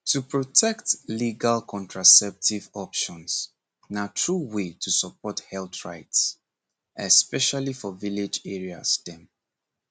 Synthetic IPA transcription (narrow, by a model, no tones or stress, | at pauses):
tʰupɹɔtʰɛktliɡalkʰɔ̃ntʰɹasɛp̚tʰivɔpʃɔ̃ns | natʰɹuwetʰusəp̚ɔthɛlθɹa̰ɪts | ɛspɛʃalifɔvilɪd͡ʒɛɹia̰sdɛ̃m